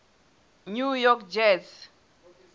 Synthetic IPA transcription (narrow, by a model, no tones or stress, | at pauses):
ɲujɔkd͡ʒɛts